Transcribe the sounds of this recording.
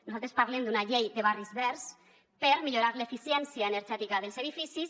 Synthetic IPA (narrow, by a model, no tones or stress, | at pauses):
nuzat̪ɾespaɾlemd̪unaʎejd̪eβ̞arizβɛɾs | peɾmiʎoɾaɾlefisjɛnsjaeneɾʒɛt̪ikað̞elˠseðifisis